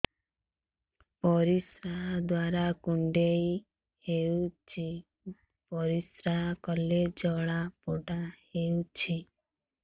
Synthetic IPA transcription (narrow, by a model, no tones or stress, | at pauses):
pɔɾisɾaɦd̪waɾakuɳɖej | hewt͡ʃʰi | pɔɾisɾaɦkɔled͡ʒɔɭapoɖaheut͡ʃʰi